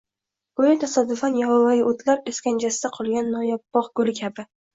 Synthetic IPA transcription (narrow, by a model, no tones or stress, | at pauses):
ɡ̥ʊjat̪ʰasɒd̪ːʊfanjahɒwajɪʔot̪ʰlaɾeskʲand͡ʒasɪd̪aqʰɒlˠɡʲanːɒjɒpːɒqɡ̥ʊlɪkʲʰabɪ